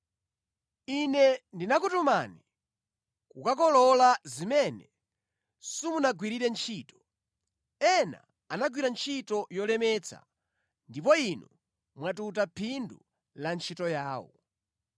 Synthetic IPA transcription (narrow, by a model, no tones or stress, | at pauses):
inɛndinakutumani | kukak̬ɔlɔlazimɛnɛ | sumunaɡwiɾiɾɛnt͡ʃʰiːtɔ̥ | ɛna̰ | anaɡwiɾant͡ʃʰitɔjɔlɛmɛt͡sʰa̰ | ndip̬ɔinu | mwatutapʰindu | lant͡ʃʰitɔjaːwɔ̰